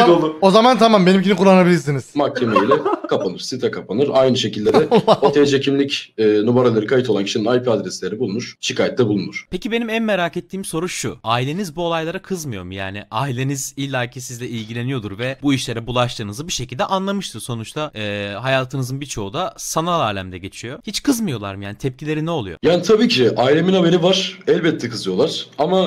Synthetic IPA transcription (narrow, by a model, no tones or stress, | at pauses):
olˠuo̞zamant̪ʰamambenimcinikʰulːˠanabilʲiɾsiniz̥mak̚cʰemeilʲɛkʰapʰanɯɾ̥sit̪ɾakʰapʰanɯɾajnɯʃe̞cilʲːeɾɛt̪ʰed͡ʒecʰimlʲicɛnubaɾalˠaɾɯkʰajit̪ʰo̞lˠanci̥ʃininajpʰiad̪ɾɛslʲe̞ɾibulˠunuɾ̥ʃikʰaːjɛt̪lʲɛbulˠunuɾ̥pʰecibe̞nimænmeɾaːket̪ʰːiːmso̞ɾuʃṵaːilʲe̞nizbuo̞lˠajlˠaɾakʰɯzmɯjo̞̰ɾmja̰ːniʔaːilʲe̞nizilʲːaːcʰisizlʲɛʔilʲɟilʲe̞nijo̞d̪uɾvɛbuiʃlʲe̞ɾɛbulˠaʃt̪ʰɯːnɯzɯbiʃe̞cʰilʲd̪ɛʔanlˠamɯʃt̪ʰɯɾso̞nut͡ʃt̪ʰaɛːɦajaːt̪ʰɯnɯzɯnbit͡ʃʰo̞ud̪asanalˠaːlʲæmd̪ɛɟe̞t͡ʃʰijo̞hit͡ʃkʰɯzmɯjo̞lˠa̰ɾmjaːnit̪ʰɛp̚cʰilʲe̞ɾinɛo̞lˠujo̞̰jaːnit̪ʰabiːcʰiʔaːilʲe̞minhabeɾivaɾ̥ɛlʲbɛt̪ʰːɛkʰɯzɯjo̞lˠaɾ̥ama